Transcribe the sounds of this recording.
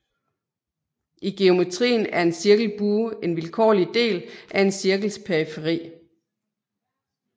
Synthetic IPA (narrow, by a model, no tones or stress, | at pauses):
ʔiɡ̥e̝o̝me̝t͡sʰʁḭːnæɐe̝nsiɐɡ̥l̩b̥uːe̝nʋilkʰɒ̰ːlid̥e̝̰ːlʔæe̝nsiɐɡ̥l̩spʰeifeʁḭː